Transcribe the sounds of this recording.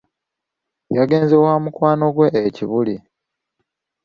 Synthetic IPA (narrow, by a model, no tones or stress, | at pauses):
jaɡe̞ːnze̞waːmukwaːno̞ɡwe̞ʔeciβuli